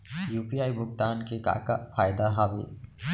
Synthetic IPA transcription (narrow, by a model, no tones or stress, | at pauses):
juːpiaːibʱʊɡ̚t̪aːnkeka̰ːkafʰaːjd̪aɦaːʋe